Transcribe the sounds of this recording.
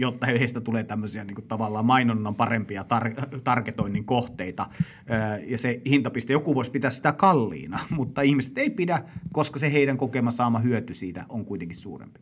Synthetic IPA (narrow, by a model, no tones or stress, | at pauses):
jot̪ːɑhehest̪æt̪uleːt̪æmːøsiɑniːŋkut̪ɑʋɑlːˑɑːmɑinonːɑmpɑrempiɑt̪ɑrt̪ɑrket̪oinːiŋkoht̪eit̪ɑː | jɑsehint̪ɑpist̪ejokuʋuospit̪æssi̥t̪ækɑlːḭːnɑmut̪ːɑihmise̥t̪eipidækoskɑseheiɾæŋkokemɑsɑːmɑhyøt̪ysiːt̪æ̰oŋkuit̪eŋkissṵːrḛmpi̥